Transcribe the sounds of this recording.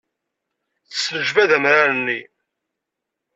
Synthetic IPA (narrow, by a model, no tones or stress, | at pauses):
θə̥sːnəʒvæðæmɾaɾənːi